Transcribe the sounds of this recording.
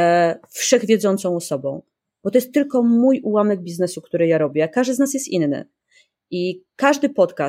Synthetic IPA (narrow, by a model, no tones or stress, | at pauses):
fʂɛɣvʲjɛd̪zɔnt̪sɔ̃w̃ɔsɔbɔ̰̃w̃ | b̥ɔt̪ɔjɛst̪ːɘlkɔmujuwamɛɡ̚bʲiznɛsuk̚t̪uɾɘjaɾɔbʲjɛkaʐd̪ɘznas̬jɛst̪inːɘ̰ | ikaʐd̪ɘpɔt̪ka